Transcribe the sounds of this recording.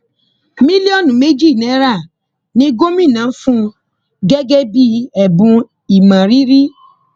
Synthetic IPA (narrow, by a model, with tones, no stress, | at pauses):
mĩ˦li˦ɔ˦˨nũ˨me˦d͡ʒi˦˨nɛ˨˦ɾa˦˨ | nĩ˦ɡo˦mĩ˦˨nã˨˦fũ˦ | ɡɛ˦ɡɛ˦bi˦ɛ˨bũ˧ | i˨mã˨ɾi˦ɾi˦